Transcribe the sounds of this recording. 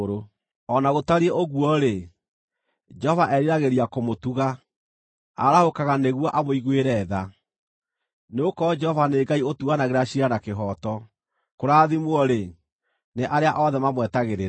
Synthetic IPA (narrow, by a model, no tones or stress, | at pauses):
ɾo | ɔnaɣotaɾieʔoɣwɔɾe | d͡ʒɛhɔvaʔɛɾiɾaɣeɾiakomotuɣa | a̰ɾahokaɣaneɣwɔʔamoiɣweɾɛːða | neokɔd͡ʒɛhɔvaneɡaiotuɣanaɣeɾaɕiɾanakeɦɔtɔ | koɾaːðimwɔɾe | neʔaɾeaʔɔðɛmamwɛtaɣeɾeɾ